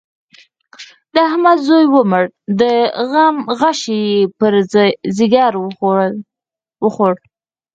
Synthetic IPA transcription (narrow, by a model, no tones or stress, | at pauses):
d̪əahmad̪zojwəməɽd̪əɣamɣaʃijepəɾziɡɑɾ | wəxoɽ